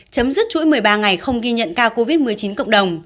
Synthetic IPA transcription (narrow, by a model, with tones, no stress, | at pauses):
t͡ɕə˨˦mzɨ˦˥t̚t͡ɕṵ˧˥jmɨ˨˩əjɓaː˧ŋa˨˩jxə˧wŋ͡mɣi˧ɲə̰˧˨nkaː˧ko˧vi˦˥t̚mɨ˨˩əjt͡ɕi˨˦nkə̰˧˨ŋ͡mɗə˨˩wŋ͡m